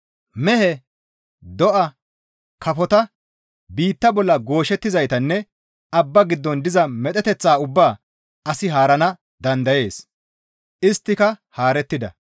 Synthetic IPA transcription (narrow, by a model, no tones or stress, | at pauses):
mɛhɛ | d̪ɔʔɐ | kɐfɔt̪ɐ | biːt̪ːɐbɔlːɐɡo̞ːʃɛt̪ːɪzɐjt̪ɐnːɛ | ɐbːɐɡɪd̪ːɔnd̪ɪzɐmɛt̪ʼɛt̪ɛt͡sːaːʊbːaː | ɐsɪɦaːɾɐnɐ | d̪ɐnd̪ɐje̞ːs | ʔɪst̪ːɪkɐhaːɾɛt̪ːɪd̪ɐ̰